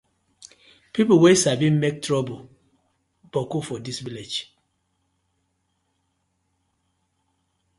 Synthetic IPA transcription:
pipowesabinmek̚tʰɹɔbo | b̥ɔkufɔdisviled͡ʒ

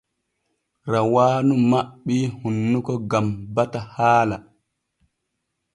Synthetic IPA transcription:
ɾawaːnumaɓːihunːukɔɡambatahaːla

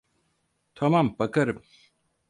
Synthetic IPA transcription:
t̪ʰamambakaɾɯm

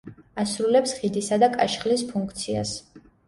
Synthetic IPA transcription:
asɾulɛpsχid̪isad̪akʼaʃχlispʰuŋkʰt̪sʰia̰s

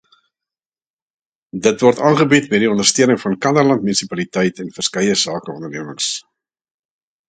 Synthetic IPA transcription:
dətvɔrtɑːnχəbitbɛdiɔndərstøənəŋfɐnkɐnərlɐntmynisipɐlitɛjtɛnfərskɛjəsɑːkəɔndərniəməŋs

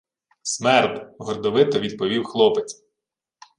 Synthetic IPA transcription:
smɛrt̪ɦɔrd̪ɔʋɪt̪ɐʋʲid̪pɔʋʲiwxlˠɔpet͡sʲ

